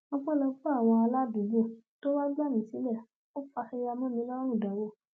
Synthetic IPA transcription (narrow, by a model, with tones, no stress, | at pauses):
ɔ̃˦k͡pɔ̃˦lɔ˧fu˦a˦˨w̃ɔ̃˧a˧la˦du˨˦ɡ͡bo˦˨to˦wa˦ɡ͡ba˦˨mĩ˨si˨˦lɛ˦˨ | o˦fa˧hi˦˧ja˧mɔ̃˦mĩ˦lɔ˦ɾũ˦˨da˨wo˦˨